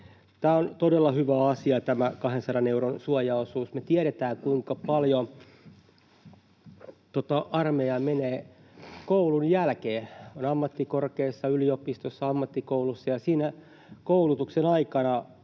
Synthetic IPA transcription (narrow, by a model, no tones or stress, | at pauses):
t̪æːont̪odelːɑhyʋæɑsiɑt̪æmækɑhensɑɾɑneuɾonsuɑjɑosuːsmet̪iæɾet̪æːŋkuiŋkɑpɑljo | t̪ot̪ɑʔɑrmejɑmeneː | koulunjælkeːonɑmːɑt̪ːikorkeːsːɑyliopist̪osːɑɑmːɑt̪ːikoulusːɑjɑsiːnæ | koulut̪uksenɑikɑnɑ